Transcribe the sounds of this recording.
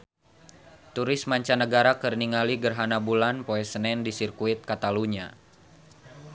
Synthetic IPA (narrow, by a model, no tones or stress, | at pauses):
t̪uɾɪsmaɲt͡ʃanəɡaɾakɨrniŋaliɡərɦanabulanpoɛsənɛndisirkuɪt̪̚kat̪aluɲa̰